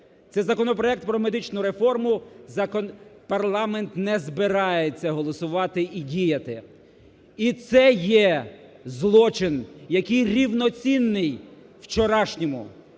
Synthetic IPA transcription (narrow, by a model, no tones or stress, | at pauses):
t̪sɛzɐkɔnɔpɾɔɛk̚t̪̚pɾɔmed̪ɪt͡ʃnʊɾe̞fɔrmʊzɐkɔnpɐrlˠɑment̪nɛzbɪɾɑjet͡sʲːɐɦɔlˠɔsʊʋɑt̪ɪʔidʲijɐt̪ɪ | it̪sɛjɛzlˠɔt͡ʃɪnjɐkɪjɾʲiwnɔt͡sʲinːɪj | wt͡ʃɔɾɑʃnʲɔmʊ